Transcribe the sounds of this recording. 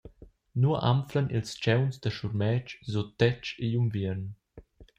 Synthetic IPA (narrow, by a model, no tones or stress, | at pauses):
nuɐʔa̰mflənʔḭlst͡ʃɛwnsd̪əʃuɾmɛːt͡ʃzot̪ɛt͡ʃejumviɾn